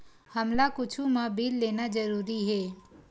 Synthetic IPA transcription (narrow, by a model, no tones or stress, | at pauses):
hɐmlakʊt͡ʃʰumãbiːlːeːnad͡ʒɐɾuːɾiɦɛː